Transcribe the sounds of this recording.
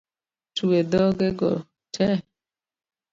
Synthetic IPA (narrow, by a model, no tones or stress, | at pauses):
tuwedɔɡeɡɔ | tʰɛ